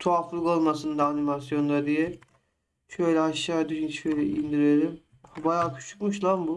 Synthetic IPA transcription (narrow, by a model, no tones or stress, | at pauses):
t̪ʰoaflˠɯkolˠmasɯnd̪aːnimasjo̞nd̪ad̪ijɛ | ʃøjlʲɛaʃːaːd̪yʃinʃøjlʲɛind̪iɾeɾʲim | bajaːkʰy̥ʃu̥kmuʃlˠambu